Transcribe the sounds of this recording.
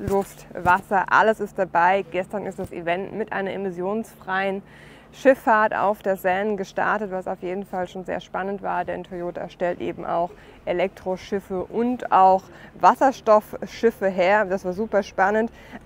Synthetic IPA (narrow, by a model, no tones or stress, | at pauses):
lʊftvasɐʔa̰ləsɪst̚d̥abaɪɡ̥ɛstɐnɪstd̥asḭvɛntmɪtʔa̰ɪnɐʔemɪsjoːnsfʁ̥aɪən | ʃɪfːaɐta̰ʊfd̥eːɐzɛnənɡəʃta̰ɐtətv̥asaʊfjeːdn̩falʃoːnzḛːɐʃpanəntv̥aːɐdɛ̰ntʰojoːtʰa̰ʃtɛltʔḛːbm̩ʔa̰ʊx | ʔelɛk̚tʁ̥oʃɪfəʔʊntaʊx | vasɐʃtɔfʃɪfəɦeːɐd̥asv̥aːɐzuːpɐʃpanənt